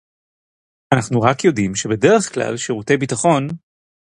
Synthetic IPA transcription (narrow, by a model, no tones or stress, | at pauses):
anaχnuʁakjo̞dimʃe̞bede̞ʁeχkla̰lʃiʁute̞jbitaχo̞n